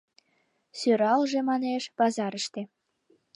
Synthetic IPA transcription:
søɾɑlʒemɑneʃbɑzɑɾəʃt̪e

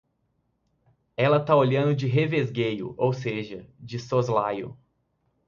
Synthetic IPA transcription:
ɛlɐt̪aoʎɐ̃nd̪ʊd͡ʒɪɦevezɡejʊ̰ʔowseʒɐd͡ʒɪsozlajʊ̰

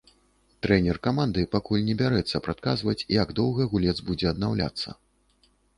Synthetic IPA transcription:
t̪ɾɛnʲɛrkamand̪ɨpakulʲnʲɛbʲaɾɛt̪sːɐpɾat̪̚kazvɐt͡sʲijaɡd̪ɔwɣɐɣulʲɛd̪zbud͡zʲɛɐd̪nawlʲa̰t̪sːɐ̰

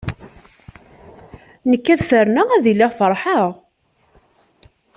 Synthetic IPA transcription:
nəkːæðfəɾnəʁæðilːɪʁfəɾˤħəʁ

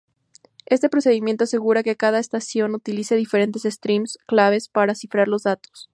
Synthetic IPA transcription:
e̞st̪e̞pɾose̞ðimjent̪oase̞ɣuɾakekað̞aest̪asjo̞nut̪iliseðife̞ɾe̞nt̪esest̪ɾimsklaβ̞e̞spaɾasifɾaɾlo̞zðat̪o̥s

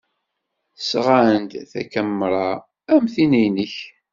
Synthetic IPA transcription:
sʁant̪θæ̰kæmːɾˤɑ | æmθinijnəç

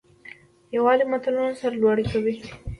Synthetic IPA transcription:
jawɑzimat̪alunosaɾalwɑɽikawi

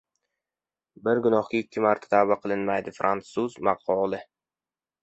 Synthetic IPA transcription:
bɪɾɡʊnɒhkʲaɪkʲːɪmaɾt̪ʰḁt̪ʰabaqʰɨlˠɪnmajd̪ɪfɾʔant̪suzmaqʰɒlˠɪ

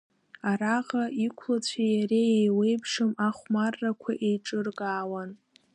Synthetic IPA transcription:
aɾaʁaʔikʷʰlat͡ɕʷʰijaɾeejwe̞jpʰʂɨmaχʷmarːakʷʰaʔejʈ͡ʂʼɨrɡaːwan

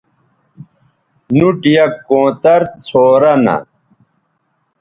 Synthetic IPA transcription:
nuʈijɐkːõːt̪ɐɾt͡sʰoːɾɐnɐ̰

